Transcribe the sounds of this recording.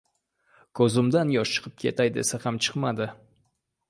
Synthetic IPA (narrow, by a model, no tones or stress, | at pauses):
kʰɵzɪmd̪anjɒʃt͡ʃɨ̥qʰɨp̚kʲʰe̞t̪ʰajd̪ḛsahamt͡ʃʰɨ̥qmad̪ɪ